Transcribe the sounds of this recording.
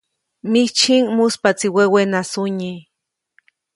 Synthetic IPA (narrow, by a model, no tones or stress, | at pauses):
mit͡ʃinmuspat͡siwewenasuɲi